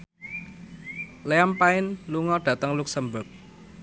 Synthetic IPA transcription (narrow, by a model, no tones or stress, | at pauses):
leampaɪnluŋɔɖ̥ä̤t̪əŋluksəmbʊk̚